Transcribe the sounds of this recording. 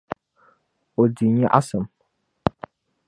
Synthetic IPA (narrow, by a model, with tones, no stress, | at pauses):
o˨di˨ɲa˦ʔa˦sɨ˨m